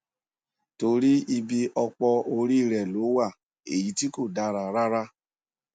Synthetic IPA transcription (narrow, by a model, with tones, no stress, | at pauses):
to˧ɾi˦i˧bi˧ʔɔ˧k͡pɔ˧o˧ɾi˦˨ɾɛ˨lo˨˦wa˦˨ | e˨ji˨˦ti˦ko˦˨da˧ɾa˨ɾa˦ɾa˦